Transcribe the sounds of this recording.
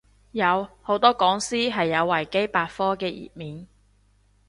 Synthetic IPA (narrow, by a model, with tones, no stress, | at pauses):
jɐ˨˧who˨˥wt̪ɔː˥kɔː˨˥ŋsiː˥ɦɐ˨jːɐ˨˧wːɐ˨˩jke˥jpaː˧tfɔː˥kɛː˧jḭː˨˩t̚miː˨n